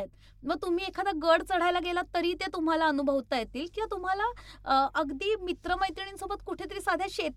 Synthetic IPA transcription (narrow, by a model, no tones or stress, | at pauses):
et̪̚ | məɡ̚t̪um̤iːekʰad̪aɡəɽt͡səɽ̤ajlaɡelat̪əɾiːt̪et̪um̤alaənubʱəʋt̪ajet̪iːlkĩʋat̪um̤alaʔəɡd̪iːmit̪ɾəmajt̪iɳ̃insobət̪kuʈʰet̪əɾiːsad̪ʱjaɕet̪